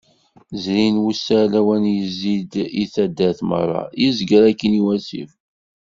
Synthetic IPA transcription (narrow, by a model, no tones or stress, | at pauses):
zɾinwusːælæwænjəzːid̪iθæd̪ːæθmə̰rˤːɑ̰jizɡəɾækːəniwæsḭf